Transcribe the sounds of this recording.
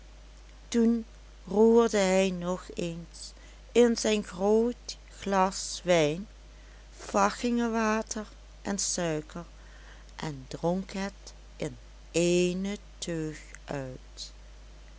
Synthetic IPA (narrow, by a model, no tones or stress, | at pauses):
tun | ruːɹdəɦɛjnɔxeːns | ɪnzɛjnɣroːt | xlɑsʋɛjn | v̥ɑxɪŋəʋaːtʰəɹ | ʔɛnsœɥkəɹ | ʔɛndrɔŋkɦɛt | ʔɪn | eːnətʰøxʔœɥt